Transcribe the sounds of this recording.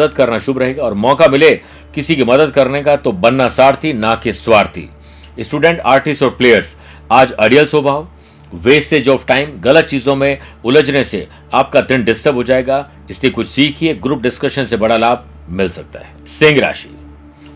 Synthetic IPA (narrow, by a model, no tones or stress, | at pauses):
d̪əd̪kɐɾnaʃʊbɾɐɦeːɡaɔːɾmɔːkamɪle | kɪsikimɐd̪əd̪̚kɐɾnekat̪obɐnːasaːɾt̪ʰinaːkeswaːɾt̪ʰḭ | ɪsʈuːɖɛ̃ɳʈaːɾʈɪsʈɔːɾpleːjəɾs | aːd͡ʒɐɖijəlsoːbʱaːʋ | ʋeːsed͡ʒoːfʈaːɪmɣɐlət̪̚t͡ʃiːzõmẽʊləd͡ʒnese | aːp̚kat̪ɪ̃ɳɖɪsʈəbɦod͡ʒaːeːɡa | ɪsliekʊt͡ʃʰsiːkʰieɡɾuːp̚ɖɪskəʃənsebɐɽalaːbʱ | mɪlsɐk̚t̪a̰ɦɛːsɪ̃ːŋɡɾa̰ːʃi̥̰ː